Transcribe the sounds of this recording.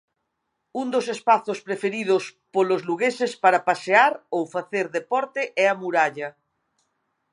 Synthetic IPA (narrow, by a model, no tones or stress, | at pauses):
und̪osespaθospɾefeɾið̞ʊspolozluɣesespaɾapaseaɾowfaθeɾðepɔɾt̪eʔɛamuɾaʎɐ